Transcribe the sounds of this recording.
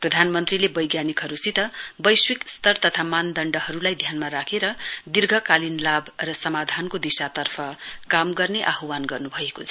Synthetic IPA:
prʌd̪ʱanmʌnt̪rilebʌjɡjanikɦʌɾusit̪ʌbʌjswikst̪ʌrt̪ʌt̪ʰamand̪ʌɳɖʌhʌɾulajd̪ʱjanmaɾakʰeɾʌd̪irɡʱʌkalinlabʱrʌsʌmad̪ʱankod̪isat̪ʌrpʰʌkamɡʌrneʔaɦwanɡʌrnubʱʌekot͡sʰʌ

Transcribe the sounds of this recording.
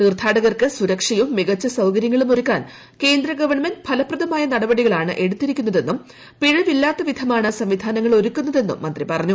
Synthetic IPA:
niːrt̪ʰaːɽɐɣɐrkɨsuɾɐkʂɐjumːiɣɐt͡ɕːɐsɐwkɐɾjɐŋːɐɭumoɾukːaːn | ke̞ːnd̪ɾɐɡɐʋɐɳmendbʰʱɐlɐprɐd̪ɐmaːjɐnɐɽɐbɐɽiɣɐɭaːɳɨ̰ʔe̞ɽut̪ːiɾikʲːunːɐðe̞nːum | piɻɐʋilːaːt̪ːɐʋid̪ʱɐmaːɳɨsɐmʋid̪ʱaːnɐŋːɐɭo̞ɾukːunːɐðe̞nːṵmːɐnd̪ripɐrɐɲːu

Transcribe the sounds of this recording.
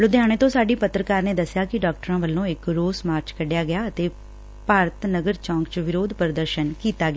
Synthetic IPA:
lʊd̪jaːɽ̃eːt̪õːsaːɖiːpət̪ːɾəkaːɾneːd̪əsːjaːkɪɖaːk̚ʈəɾãːʋəlːõːɪkɾoːsmaːɾt͡ʃkəɖjaːɡɪjaːət̪eː | paːɾət̪nəɡəɾt͡ʃãːŋkt͡ʃʋɪɾoːd̪pəɾd̪əɾʃənkiːt̪aːɡɪaː

